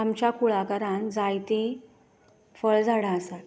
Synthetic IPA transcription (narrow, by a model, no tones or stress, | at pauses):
amt͡ɕakuɭakəɾãnd͡zajt̪e | fəɭd͡zʱaɽaəsat̪